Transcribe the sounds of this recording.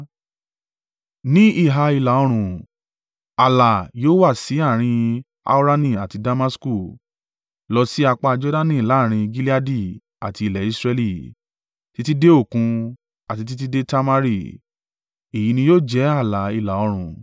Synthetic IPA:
nĩ˦i˦˨ɦa˧i˧la˨o˧ɾ̃ũ˨ | a˨la˨joː˦wa˦˨si˨˦a˦˨ɾ̃ĩ˧ | a̰˦u˦ɾa˦nĩ˦˨a˨ti˧da˧ma˦sku˦˨ | lɔ˧si˦a˧k͡pa˦˧d͡ʒɔ˦da˦nĩ˦˨la˨˦˨ɾ̃ĩ˧ɡi˦li˦a˦di˦˨ | a̰˨ti˧i˧˨lɛ˨i˦˧sɾɛ˧li˦˨ | ti˦ti˦de˦o˦˨kũ˧ | a˨ti˧t̬i˦t̬i˦de˦ta˦ma˦ɾi˦˨ | e˨ji˨˦nĩ˧joː˦˨d͡ʒɛ˨˦a˦˨la˨i˧˨la˨o˧ɾ̃ũ˨

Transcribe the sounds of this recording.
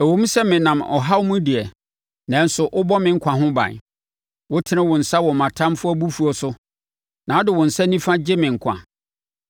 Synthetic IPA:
æ˨wõ˦m̩˦sɛ˦mɪ̃˨nã˨mɔ̰˨ɦa˦wmʊ̃˦di˨ɛ˨ | nã˨˦n̩˦sʊ˨ʔʊ˦bɔ˦mɪ̃˨ŋ̩˦kʷʰã˨ɦʊ̃˦bã̰˨n | wʊ˦tʰɪ˦nɪ̃˦wʊ̃˨n̩˨sa˦wɔ˨mã˨tʰã˦mfʊ˦ɔ˦bu˦fu˨ɔ˨sʊ˦ | nã˨˦dɪ˨wʊ̃˨n̩˨sɛ˦nĩ˦fã˦d͡ʑɪ˦mɪ̃˨ŋ̩˨kʷʰã̰˨

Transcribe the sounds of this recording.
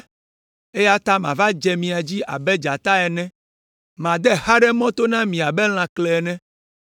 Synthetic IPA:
e˦ja˦t̪a˦mã˨va˦d͡ʒɛ˨mĩ˨a˨d͡ʑi˦ʔa̰˨bɛ˦d͡ʒa˨t̪a˦ɛ˨nɛ̃˦ | mã˨d̪ɛ˦ha˦ɖɛ˦mɔ̃˦t̪o˦nã˦mĩ˨a˨bɛ˦l̃ã˨klɛ˨ɛ˨nɛ̃˦

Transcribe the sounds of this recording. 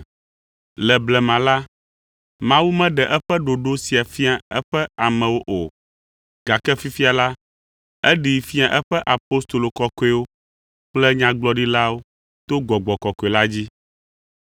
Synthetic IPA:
lɛ˨blɛ˨mã˨la˦ | mã˦wu˦mɛ̃˦ɖɛ˨ʔɛ˦ɸɛ˦ɖo˨ɖo˦si˨a˨fi˦a˨ɛ˦ɸɛ˦a˨mɛ̃˨wo˦ʔo˨ | ɡ̥a˨kɛ˦fi˦fi˦a˨la˦ | ɛ˦ɖi˨fi˦a˨ʔɛ˦ɸɛ˦ʔa˨po˦st̪o˨lo˨kɔ˦kɔ˦e˦wo˦ | k͡plɛ˦ɲã˦ɡ͡blɔ˦ɖi˦la˦wo˦ | t̪o˦ɡɔ˨ɡ͡bɔ˨kɔ˨ko˨e˨la˦d͡ʑi˦

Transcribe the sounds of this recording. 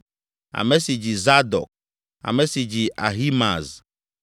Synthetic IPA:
a̰˨mɛ˦si˨d͡ʒi˨za˦d̪ɔ̰˨k̚ | a̰˨mɛ̃˨si˨d͡ʑi˨ʔa˨ɦi˦ma̰˨z

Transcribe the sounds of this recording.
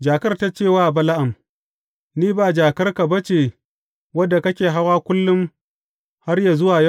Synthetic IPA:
d͡ʒaː˨kɐ˦rta˦t͡ʃeː˦˨waː˦˨bɐ˦la˦ʔa˨m | niː˦baː˨d͡ʒaː˨kɐ˦rka˨bɐ˦t͡ʃeː˨ | wɐ˦dːa˨kɐ˦kʲeː˨ɦa˦waː˦kʷʊ˦lːʊ˦m | ha˦rja˨zʊ˦waː˨ja˦˨

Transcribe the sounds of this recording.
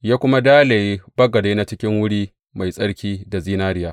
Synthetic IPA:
jaː˦kʷʊ˦ma˦daː˦le˨ji˦bɐ˦ɡɐ˨deː˦na˦t͡ʃɪ˦kʲɪ˦ŋwʊ˦ɽiː˦ | ma˨jsʼɐ˦ɽkʲiː˦da˨ziː˦naː˦ɽɪ˦jaː˦

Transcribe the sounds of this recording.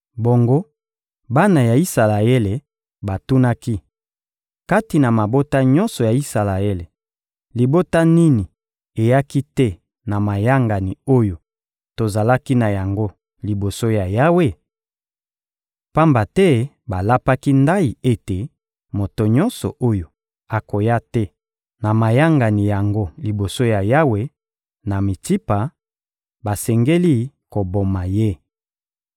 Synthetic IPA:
bo˨ŋɡo˦ | ba˦na˨ja˨i˦sa˨la˨e˦le˨ | ba˨tu˦na˦ki˦ | ka˦ti˨na˨ma˨bo˦ta˦ɲɔ˦nsɔ˨ja˨i˦sa˨la˨e˦le˨ | li˨bo˦ta˦ni˦ni˨ | e˨ja˦ki˦tɛ˦ | na˨ma˨ja˦ŋɡa˨ni˨o˦jo˨ | to˨za˨la˦ki˦na˨ja˨ŋɡo˦ | li˨bo˨so˦ja˨ja˦we˦ | pa˦mba˨tɛ˦ | ba˨la˦pa˦ki˦nda˦ji˨e˦te˨ | mo˨to˨ɲɔ˦nsɔ̰˨ʔo˦jo˨ | a˨ko˨ja˦tɛ˦ | na˨ma˨ja˦ŋɡa˨ni˨ja˨ŋɡo˦li˨bo˨so˦ja˨ja˦we˦ | na˨mi˨ti˦pa˨ | ba˨sɛ˨ŋɡe˦li˦ | ko˨bo˨ma˨je˦

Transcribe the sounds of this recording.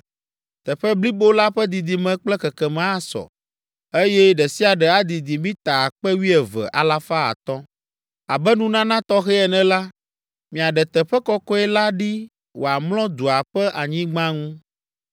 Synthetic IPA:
t̪ɛ˨ɸɛ˦bli˦bo˦la˦ɸɛ˦d̪i˨d̪i˨mɛ̃˨k͡plɛ˦kɛ˨kɛ˨mɛ̃˨˦a˦sɔ̰˨ | e˦jɛ˦ɖɛ˨si˦a˨ɖɛ˨a˦d̪i˨d̪i˨mĩ˦t̪a˨k͡pɛ˦wi˦ɛ˨vɛ̰˨ʔa̰˨la˦fa˦a̰˨t̪ɔ˦ | a˨bɛ˦nũ˦nã˦nã˦t̪ɔ˦xɛ˦ɛ˨nɛ̃˨la˦ | mĩ˨a˨ɖɛ˨t̪ɛ˨ɸɛ˦kɔ˦kɔ˦ɛ˦la˦ɖi˦ | wo˨a˨mlɔ̃˦d̪u˨a˨ɸɛ˦ʔa˨ɲĩ˦ɡ͡bã˦ŋũ˦

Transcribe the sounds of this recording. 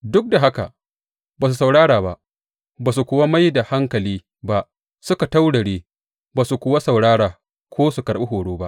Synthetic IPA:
dʊ˦k̚da˨ɦa˦ka̰˨ | baː˨s̬u˨sa˨wɽaː˦ɽaː˨ba̰˦ʔ | baː˨s̬u˨kʷʊ˦wa˦ma˦jda˨ha˦ŋkɐ˨liː˦ | ba˦ʔ | sʊ˦ka˨ta˦wɽɐ˨ɽeː˦ | baː˨su˨kʷʊ˨wa˦sa˨wɽaː˦ɽaː˨ | kʷoː˦su˨kɐ˨ɽɓe˦ɦoː˨ɽoː˦ba˦ʔ

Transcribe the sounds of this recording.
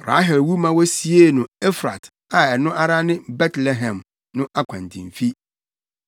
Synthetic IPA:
ɾa̰˨˦ɦɛ˨lwu˦mã˦wɔ˦si˦e˦nʊ̃˨e˦fɾa˨t | a˨ɛ˨nʊ̃˦ʔa˨ɾa˦nɪ̃˦bɛ˦tʰle˨ɦɛ̃˨m | nʊ̃˦ʔa˦kʷʰã˨n˨tʰɪ̰̃˨ɱ˨fi˦

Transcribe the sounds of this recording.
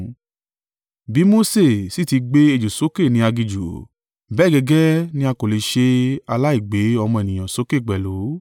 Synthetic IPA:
bi˨˦mo˦se˦˨si˦ti˧ɡ͡be˦e˧˨d͡ʒu˨so˨˦ke˦˨nĩ˧˦a˧ɡi˧d͡ʒṵ˨ | bɛː˦˨ɡɛ˧ɡɛ˦nĩ˦a˧ko˨le˨ʃe˧a˧la˦i˦˨ɡ͡be˨˦ɔ˧mɔ̃˧e˨nĩ˨j̃ã˨so˨˦ke˦˨ɡ͡bɛ˨lo˨˦

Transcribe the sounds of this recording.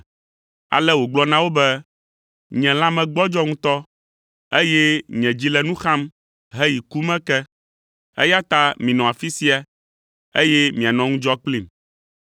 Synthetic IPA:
a̰˨lɛ˦wo˨ɡ͡blɔ˦nã˦wo˦bɛ˦ | ɲɛ̃˨lã˦mɛ̃˨ɡ͡bɔ˦d͡ʒɔ˦ŋũ˦t̪ɔ˦ | e˦jɛ˦ɲɛ̃˨d͡ʑi˦lɛ˦˨nũ˦xã˦m | ɦɛ˦ji˨ku˦mɛ̃˦kɛ˦ | ḛ˦ja˦t̪a˦mĩ˨nɔ̃˨a˨fi˦si˦a˨ | e˦jɛ˦mĩ˨a˨nɔ̃˨ŋũ˦d͡ʒɔ˦k͡pli˦˨m

